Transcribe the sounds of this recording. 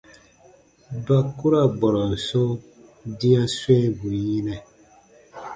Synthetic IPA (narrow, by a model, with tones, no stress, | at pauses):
ba˨ku˦ɾa˦˨ɡ͡bɔ˨ɾɔ˨n̩˨so˦ | di˦a˦swe˦bu˨ji˦nɛ˨